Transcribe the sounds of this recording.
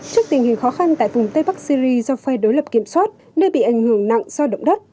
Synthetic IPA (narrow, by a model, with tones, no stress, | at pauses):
t͡ɕi˦˥ək̚t̪ï˨˩ŋ̟hi˨˩ŋ̟xɔ˨˦xa˧nt̪a̰ː˧˨jvʊ˨˩wŋ͡mt̪ə˧jɓa˦˥k̚si˧zi˧zɔ˧fɛ˧ɗo˨˦jlə˨˩p̚ki˧˩əmswaː˦˥t̚ | ne˧ɓḭ˧˨ʔa˧˩jŋ̟hɨ˧˩ə˩ŋna̰˧˨ŋzɔ˧ɗə̰˧˨wŋ͡mɗə˦˥t̚